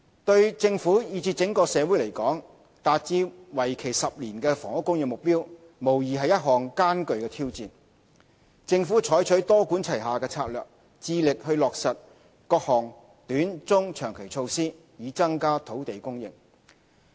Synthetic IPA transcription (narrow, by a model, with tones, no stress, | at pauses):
t̪ɵ˧ɥt͡sɪ˧ŋfuː˨˥jiː˨˧t͡si˧t̚t͡sɪ˨˥ŋkɔː˧sɛː˨˧wuː˨˥jle˨˩jkɔː˨˥ŋ | t̪aː˨t̚t͡siː˧wɐ˨˩jkʰe˨˩jsɐ˨p̚liː˨˩nkɛ˧fɔː˨˩ŋʊ˥kːʊ˥ŋjɪ˧ŋmʊ˨k̚piː˥w | mo˨˩wjiː˨ɦɐ˨jːɐ˥t̚ɦɔː˨ŋkaː˥nkɵ˨ɥkɛː˧t̪ʰiː˥wt͡siː˨n | t͡sɪ˧ŋfu˨˥t͡ʃʰɔː˨˥jt͡ʃʰɵ˨˥jt̪ɔː˥kuː˨˥nt͡sʰɐ˨˩jɦaː˨kɛː˧t͡sʰaː˧t̚lœː˨k̚ | t͡siː˧lɪ˨k̚hɵ˧ɥlɔː˨k̚sɐ˨t̚ | kɔː˧k̚hɔː˨˩ŋ | t̪yː˨˥nt͡sʊ˥ŋt͡ʃʰœː˨˩ŋkʰe˨˩jt͡sʰo˧wsiː˥ | jiː˨˧t͡sɐ˥ŋkaː˥t̪ʰo˨˥wt̪e˨jkʊ˥ŋjɪ̰˨ŋ